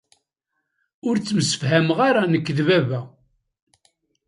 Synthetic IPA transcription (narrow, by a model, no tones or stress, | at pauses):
ʊɾt͡sːəməsə̥fɦæmʁaɾanəkːðvævæ